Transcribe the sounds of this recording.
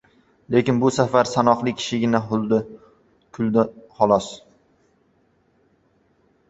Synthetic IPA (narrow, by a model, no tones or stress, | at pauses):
le̞kʲɪnbʊsafaɾsanɒqlˠɪkʲʰɪ̥ʃɪɡʲɪnaʊlˠd̪ɪ | kʰʊlˠd̪χɒlˠɒs